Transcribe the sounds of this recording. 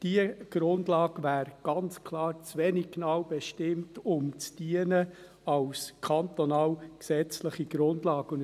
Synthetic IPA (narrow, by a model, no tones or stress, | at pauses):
d̥iəɡ̥ɾʊndlɑːɡvæːɾɡ̥ɑnt͡skʰlɑːɾt͡sveniɡ̚knɑwb̥ɛʃtɪmtʊmt͡sd̥iənə | ɑwskʰɑnt̪ɔnɑːwksɛt͡sləχiɡ̥ɾʊndlɑːɡʊn